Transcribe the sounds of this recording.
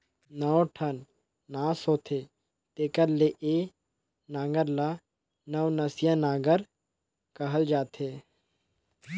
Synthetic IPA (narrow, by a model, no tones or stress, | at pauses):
nəoʈʰənː | aːsoːt̪ʰeː | t̪eːkəɾleʔeː | naːɡəɾlaː | nəʋnəsɪjãːnaːɡəɾ | kəɦəld͡ʒaːt̪ʰeː